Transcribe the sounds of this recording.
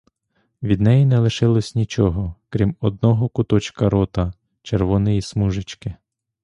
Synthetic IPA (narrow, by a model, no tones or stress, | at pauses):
ʋʲid̪nɛjinɛlˠɪʃɪlˠɔsʲnʲit͡ʃɔɦɔkɾʲimɔd̪̚nɔɦɔkʊt̪ɔt͡ʃkɐɾɔt̪ɐ | t͡ʃerʋɔnɪjismuʒɪt͡ʃkɪ